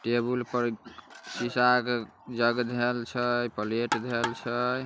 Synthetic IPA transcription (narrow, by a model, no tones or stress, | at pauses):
ʈebulpəɾsisak | d͡ʒəɡd̪ʱelt͡ʃʰəjpəleʈd̪ʱelt͡ʃʰəj